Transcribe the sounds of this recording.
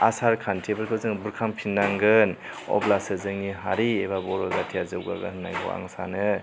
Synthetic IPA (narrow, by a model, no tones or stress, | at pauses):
a̰saɾkʰantʰebɯɾkʰɯzɯŋbuɾkʰampʰinːaŋɡɯn | ɔ̰blasɯzɯŋniɦaɾiebabɔɾɔzatʰiazɯwɡa̰ɡa̰nna̰jɡɔ̰a̰ŋsanɯ